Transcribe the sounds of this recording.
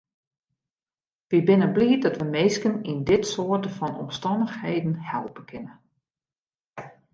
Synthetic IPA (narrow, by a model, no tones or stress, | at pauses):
ʋibɪnəbliːdɔtʋəmeːskənindɪtsoətəfɔnɔ̰mstɔndəxheːdn̩hɛlˠpəkʰɪnə